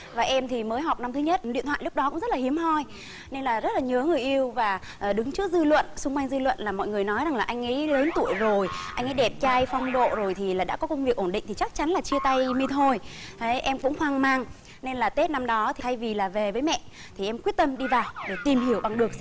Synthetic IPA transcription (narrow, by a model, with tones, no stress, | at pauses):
vaː˨˩ʔɛ˧mt̪ʰi˨˩məː˨˦jɦa˨˩wk͡p̚na˧mt̪ʰɨ˨˦ɲə˦˥t̚ḭ˧˨nt̪ʰa̰ː˧˨lʊ˦˥k͡p̚ɗɔ˨˦kʊ̰˧˥ŋ͡mzə˦˥t̚laː˨˩hi˨˦əmhɔ˧j | ne˧nlaː˨˩zə˦˥t̚laː˨˩ɲəː˨˦ŋɨ˨˩əjʔi˧əwvaː˨˩˨ | ɗɨ˨˦ŋt͡ɕɨ˦˥ək̚zɨ˧lwə̰˧˨nsʊ˧ŋ͡mkwa˧jŋ̟zɨ˧lwə̰˧˨nlaː˨˩mɔ̰˧˨jŋɨ˨˩jnɔ˨˦jza˨˩ŋlaː˨˩ʔa˧jŋ̟ʔə̰˧˥˦jləː˨˦nt̪u˧˩əjzo˨˩jʔa˧jŋ̟ʔaː˨˦jɗɛ˨˩p̚t͡ɕaː˧jfɔ˧wŋ͡mɗo̰˧˨zo˨˩jt̪ʰi˨˩laː˨˩ɗa̰ː˧˥kɔ˨˦kə˧ŋ͡mvi˨˩ək̚ʔo˧˩nɗḭ˧˨ŋ̟t̪ʰi˨˩t͡ɕa˦˥k̚t͡ɕa˨˦nlaː˨˩t͡ɕi˧ət̪a˧jmi˧t̪ʰo˧˩jt̪ʰe˨˦ʔɛ˧mkʊ̰˧˥ŋ͡mhwaː˨˧˩ŋmaː˧˩ŋ | ne˧nlaː˨˩t̪e˦˥t̚na˧mɗɔ˨˦t̪ʰi˨˩a˧jvi˨˩laː˨˩ve˨˩vəː˨˦jmɛ̰˧˨ | t̪ʰi˨˩ʔɛ˧mkwi˦˥ət̚t̪ə˧mɗi˧vaː˨˩wɗe˧˩t̪i˨˩mhi˧˩əwɓa˨˩ŋɗɨ˨˩ək̚